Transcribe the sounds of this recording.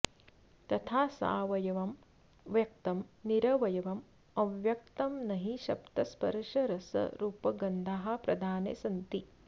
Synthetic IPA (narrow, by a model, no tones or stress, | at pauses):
t̪ɐt̪ʰaːsa̰ːʋɐjɐʋɐm | ʋjɐk̚t̪ɐmniɾɐʋɐjɐʋɐm | ɐʋjɐk̚t̪ɐmnɐɦiʃɐ̰p̚t̪ɐspɐ̰ɾʂɐɾɐsɐ̰ɾuːpɐɡɐnd̪ʱaːɦɐ̆pɾɐd̪ʱaːnḛsɐnt̪i